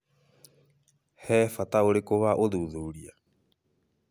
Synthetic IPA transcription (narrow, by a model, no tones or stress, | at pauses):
hɛːfat̪aoɾekoβaʔoðuːðuːɾia